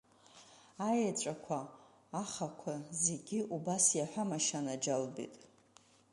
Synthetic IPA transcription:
ajat͡ʃʷʼakʷʰaː | χakʷʰazeɡʲiubasjaħʷᶣamaʃanad͡ʒalbḭtʼ

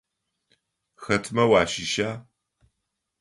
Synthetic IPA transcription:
xɐtʰmɐwaːʃɪʃaː

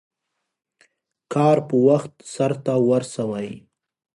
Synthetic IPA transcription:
kɑːɾpəwaxt̪saɾt̪awəɾsawaj

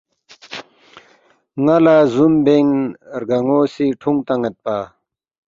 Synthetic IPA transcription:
ŋalazumbeŋɾɡaŋosiʈʰuŋt̪aŋɐt̪̚pa

